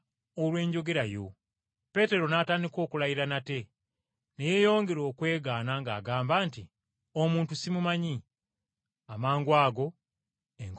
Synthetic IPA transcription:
olwe̞ːɲɟo̞ɡe̞ɾajo̞̰ | pe̞te̞ɾo̞naːtaːndiko̞ːkulajiɾanate̞ | ne̞je̞ːjo̞ːŋɡe̞ɾo̞ːkwe̞ːɡaːnaŋɡaːɡaːmbaːnti | omuːntusimumaɲi | amaːŋɡwaːɡo̞ | eŋk

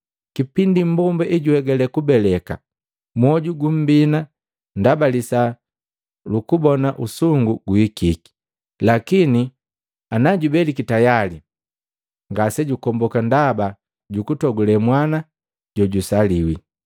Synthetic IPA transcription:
kipindim̩bɔmbɛʔiɟuhɛɡɛlɛkubɛlɛka̰ | mwɔɟuɡum̩bina | ndabalisa | lukubɔnaʔusuŋɡuɡuikiki̥ | lakini | anaɟubɛlikitajali | ŋɡasɛɟukɔmbɔkandaba | ɟukutɔɡulɛmwana | ɟɔɟusaliwi

